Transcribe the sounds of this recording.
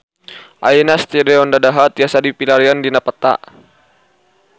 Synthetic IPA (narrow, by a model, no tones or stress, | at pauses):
ʔa̰inast̪ɛdɛɔndadaɦat̪iasadipilaɾiandinapat̪a̰ʔ